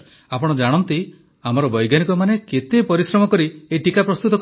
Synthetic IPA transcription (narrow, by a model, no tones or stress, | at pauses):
apɔɽ̃ɔd͡ʒaɽ̃ɔnt̪i | amɔɾɔbɔjɡjanikɔmaneket̪epɔɾisɾɔmɔkɔɾieʈikapɾɔst̪ut̪ɔk